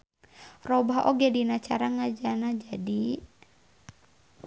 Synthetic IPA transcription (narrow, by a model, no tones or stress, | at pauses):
rɔbaɦʔoɡɛdinat͡ʃaɾaŋad͡ʒanad͡ʒadi